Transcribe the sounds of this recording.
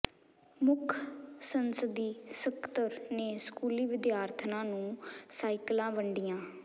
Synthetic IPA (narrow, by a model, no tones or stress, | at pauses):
mʊkʰsənsəd̪iːsəkt̪əɾneːskuːliːʋɪd̪jaːɾt̪ʰnãːnũːsaːɪklãːʋəɳɖijãː